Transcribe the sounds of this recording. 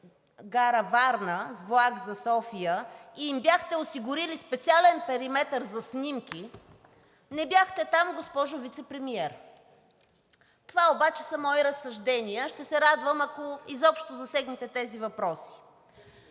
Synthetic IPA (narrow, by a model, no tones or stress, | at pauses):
ɡaɾəvaɾnəzblˠaɡzɐsɔfijəiimbjaxt̪ɛosiɡʊɾilispɛt̪sialɛnpɛɾimɛt̪əɾzɐsnimki | nɛbjaxt̪ɛt̪amɡospɔʒʊvit̪sɛpɾɛmiɛɾ | t̪ovaobat͡ʃɛ̥sɐmɔiɾəsːɐʒd̪ɛniəʃt̪ɛsɛɾad̪vəmɐkoizɔpʃt̪ozɐsɛɡnit̪ɛt̪ɛzivɐpɾɔsi̥